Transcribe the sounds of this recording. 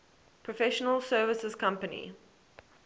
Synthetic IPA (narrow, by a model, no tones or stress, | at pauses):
pʰɹɔfɛʃənəlˠsɜːvəsəz̥kʰãmpənḭ